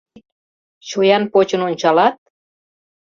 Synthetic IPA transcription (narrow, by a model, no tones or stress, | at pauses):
t͡ɕujɑnpot͡ɕə̆nonʲt͡ɕɑlɑt̪̚